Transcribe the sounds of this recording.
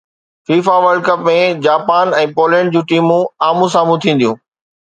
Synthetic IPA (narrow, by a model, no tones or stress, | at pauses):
fiːfaʋəɾɖkəpmẽd͡ʑaːpaːnɛ̃ːpoːlɛ̃ːɳɖ̚d͡ʑũːʈiːmũaːmũsaːmũt̪ʰĩːn̆d̪ijũː